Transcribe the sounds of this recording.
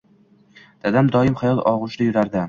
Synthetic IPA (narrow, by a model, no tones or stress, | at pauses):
d̪̥ad̪amd̪ɒɪmχajɒlˠɒ̰ʁʊʃɾajʊɾaɾd̪ɪ